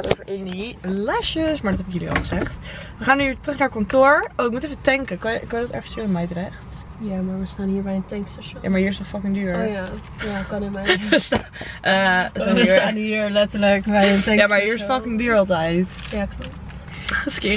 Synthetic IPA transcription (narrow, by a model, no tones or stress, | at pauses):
tovəɹʔɪnilɛʃəsmaːɹdɔtɦɛpɪkjəliɔ̰lˠχəzɛχtʋəχaːnytrəχnaɹkɔntʊɹowɪk̚mutɛfətɛŋkəkɑnjkɑjədɑtɛ̰ɹχənstyːnəmɛjərɛχt | jamaɹʋəstaːnhiːɹbɛjɪntɛŋksɛʃja̰ːmaːɹhiːɹɪsɔfɑkɪŋdyːɹɹja | jakɑnəmɛʋəstaʔəəsaːəstaːniːɹlɛtəɹləkbɛjɪntɛjaːmaɹɦiːɹɪsfɑkɪŋdyːɹɑlˠtɛjtjaklop̚t | skɪ